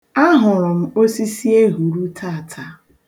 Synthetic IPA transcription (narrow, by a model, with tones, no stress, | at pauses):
a˦ɦʊ˨ɾʊ˨m̩˦o˦si˦si˦e˦ɦu˨ɾu˦tʰa˦˨tʰa˦